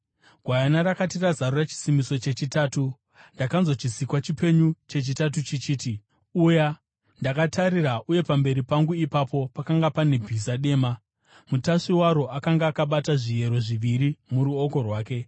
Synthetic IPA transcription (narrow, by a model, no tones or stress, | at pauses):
ɡ̥ʱwajanaɾakatirazarorat͡ʃi̥simiso̞t͡ʃe̞t͡ʃitaːtu | ndakanzo̞t͡ʃisikwat͡ʃipe̞ɲut͡ʃe̞t͡ʃitatut͡ʃit͡ʃiːti | uja | ndakatʰaɾiraʔuje̞pambe̞ɾipaŋɡuipapʰo̞pakaŋɡapane̞bʱizaɗe̞ːma | mutaʂiwaɾo̞ʔakaŋɡaːkaɓataʐije̞ɾo̞ʐiʋiɾimuɾuoko̞rwaːke̞